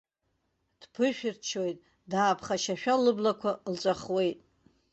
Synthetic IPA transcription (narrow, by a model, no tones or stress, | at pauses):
d̥pʰɨʃᶣɪrt͡ʃʰo̞jtʼ | daːpʰχaʃaʃᶣalɨblakʷʰalt͡sʷʼaχwe̞jtʼ